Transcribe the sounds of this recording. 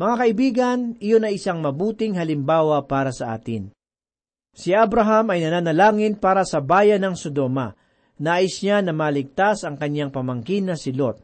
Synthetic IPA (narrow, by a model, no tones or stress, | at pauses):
mɐŋakɐʔɪbiːɡɐnɪjonɐjɪsaŋmɐbuːt̪ɪŋhɐlɪmbaːwɐpaːɾɐsɐʔa̰ːt̪ɪ̰n | sɪʔabɾɐɦɐmɐjnɐnaːnɐlaːŋɪnpaːɾɐsɐbaːjɐnɐŋsod̪o̞mɐ̰ | naːjɪsɲanɐmaːlɪɡ̚t̪asɐŋkɐɲːaŋpɐmɐŋkinːɐsɪlot̪̚